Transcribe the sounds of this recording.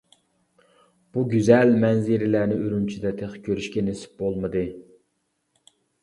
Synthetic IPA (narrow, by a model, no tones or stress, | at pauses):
b̥uɡʲyzælmɛnzɪɾɪlæɾnɪøɾynt͡ʃʰid̪ɛt̪ʰeχkʲʰøɾyʃkʲɛnesɪ̥p̚bolˠmɨd̪ɨ